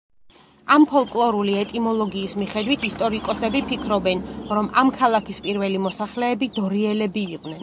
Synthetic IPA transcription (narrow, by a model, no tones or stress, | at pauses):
ampʰɔlˠkʼlˠɔɾuliɛt̪ʼimɔlˠɔɡiːsmiχɛd̪wit̪ʰist̪ʼɔɾikʼɔsɛbipʰikʰɾɔbɛnɾɔmamkʰalˠakʰispʼiɾvɛlimɔsaχlɛːbid̪ɔɾiɛlɛbiːqʼnɛn